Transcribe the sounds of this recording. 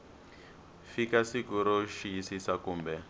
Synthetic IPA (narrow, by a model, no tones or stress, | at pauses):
fikasikuɾɔʃijisisakuːmbɛ